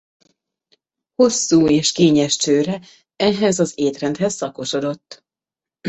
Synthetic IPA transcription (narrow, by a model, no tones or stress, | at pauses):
ho̞sːuːeːʃkeːɲɛʃt͡ʃøːɾɛ | ɛɦɛzɒzeːt̪rɛnt̪hɛsːɒko̞ʃo̞d̪o̞t̪ː